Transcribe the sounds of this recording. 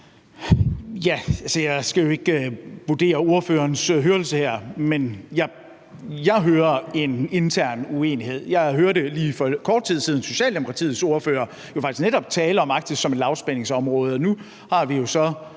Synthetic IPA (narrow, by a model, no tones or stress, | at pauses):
jæælsɐjɑ̈ɪsɡ̥æjo̝e̝ɡ̥b̥ud̥e̝̰ːɐo̝ɐføːɐːnsɦøːɐl̩səheɐ̰menjɑ̈ | jɑ̈ɪɦøːɐe̝ne̝nt͡sʰæɐ̰nue̝̰ːnihe̝ð̞̰ˠjɑ̈ɪɦøːɐɾe̝liːfɒkʰɒːd̥̚t͡sʰið̞̰ˠsið̞ˠn̩so̝ɕɛ̰ːld̥e̝mo̝kʰʁɑ̈t͡sʰḭːð̩ˠso̝ɐføːɐ | jo̝fɑ̈ɡ̥isneɾɒ̽b̥̚t͡sʰɛːləɒ̽mɑ̈ɡ̥̚d̥isɒ̽melɑ̈ʊsb̥ene̝ŋsɒ̽mʁɔ̽ːð̞̩ˠɒ̽nu | hɑ̈ʋijo̝sɒ̽